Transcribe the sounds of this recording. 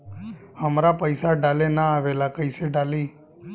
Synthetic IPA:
əmɾapəjsaɖalenaːʋelakəjseɖali

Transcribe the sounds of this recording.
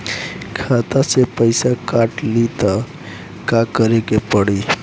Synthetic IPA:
kʰat̪asepəjsakaʈlit̪a | kakəɾekepəɽi

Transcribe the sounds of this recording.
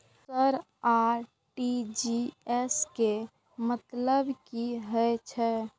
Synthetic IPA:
səɾ | aɾ | ʈid͡ʒieske | mət̪ləbkiɦəjt͡ʃʰɛ

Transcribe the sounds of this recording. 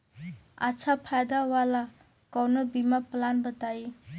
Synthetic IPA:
at͡ʃʰapʰajd̪awala | kɔwnɔbimaplanbətaj

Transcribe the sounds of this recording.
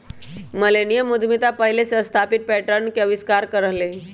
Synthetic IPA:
məlenijəmud̪ʱmit̪apəɦileseəst̪ʰapit̪̚pɛʈəɾɳkjəʋiskaɾkəɾəɦle

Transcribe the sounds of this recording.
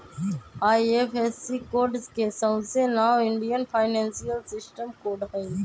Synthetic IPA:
aːiefesikoːɖskesə̃ʊsenaːɪ̃ɳɖijənpʰaːɪnɛ̃ːnsijəlsɪsʈəmkoːɖɦə̃ĩ

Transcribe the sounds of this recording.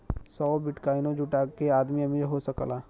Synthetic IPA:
sɔːbɪʈkaːinõd͡ʒuʈakeaːd̪miɐmid͡ʒeɦosəklaː

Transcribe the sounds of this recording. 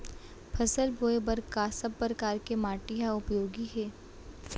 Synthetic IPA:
pʰɐsəlboːebɐɾkaːsəb̚pɾəkaːɾkemaːʈɪɦaʊpjoːɡiɦɛː

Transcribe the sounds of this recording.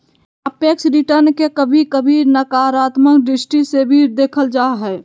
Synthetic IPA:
əpeːksɾɪʈəɾnkekəbʱikəbʱiːɾnəkaɾaːt̪məkɖɾɪsʈisebʱid̪eːkʰəld͡ʒaːɦɛː

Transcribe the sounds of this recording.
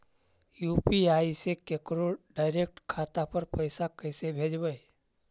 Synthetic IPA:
juːpiaːisekekɾoɖaːɪɾeːk̚ʈkʰaːt̪apəɾpəjsakəɪsebʱeːd͡ʒbəj

